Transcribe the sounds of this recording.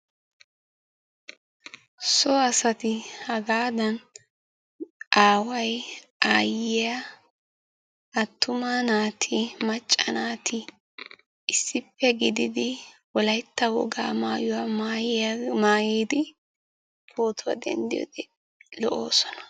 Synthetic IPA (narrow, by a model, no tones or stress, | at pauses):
sɔɐsɐt̪ɪhɐɡaːd̪ɐn | ʔaːwɐj | aːjɪa | ɐt̪ːʊmaːnaːt̪ʰɪmɐt͡ʃʼːɐ̰naːt̪ʰɪ | ɪsːɪpːɛɡɪd̪ɪd̪ɪwɔlɐjt̪ːɐwɔ̰ɡa̰ːmaːjʊwaajmaːjiːd̪ɪ | pʰoːt̪ʊwa̰d̪ɛ̰nd̪ɪjɔ̰d̪ɛ | lɔʔo̰ːsɔ̥nɐ̥